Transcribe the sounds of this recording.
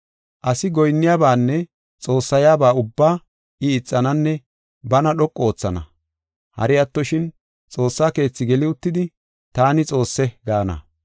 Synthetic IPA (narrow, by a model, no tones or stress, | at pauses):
ʔɐsɪɡɔjnːɪjaːbaːnːɛ | t͡sʼo̞ːsːɐjaːbaːʊbːaː | ʔɪɪt͡sʼːɐnɐnːɛ | bɐnɐɗɔkʼːo̞ːt͡sːɐnɐ̰ | hɐ̰ɾɪjɐt̪ːɔʃɪn | t͡sʼo̞ːsːaːke̞ːt͡sːɪɡɛlɪʊt̪ːɪd̪ɪ | t̪aːnɪt͡sʼo̞ːsːɛɡaːnɐ̰